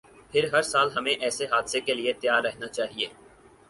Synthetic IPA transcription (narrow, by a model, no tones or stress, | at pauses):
pʰɪɾɦɐɾsaːlɦɐmẽʔɛːseɦaːd̪sekeliet̪jaːɾːɛɦnat͡ʃaːɦieː